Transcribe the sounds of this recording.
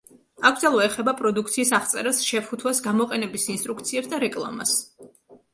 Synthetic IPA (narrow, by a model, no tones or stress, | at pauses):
akʰd̪alˠvaɛχɛbapʼɾɔd̪ukʰt̪sʰiːsaχt̪sʼɛɾasʃɛput̪ʰwasɡamɔqʼɛnɛbisinst̪ʼɾuk̚ʰt̪sʰiɛpsd̪aɾɛkʼlˠa̰ma̰s